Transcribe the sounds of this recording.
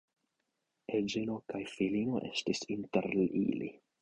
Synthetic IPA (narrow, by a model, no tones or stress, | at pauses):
ed͡ʒeno̞kajfilino̞ʔe̞̰stisintḛɾlḭlḭ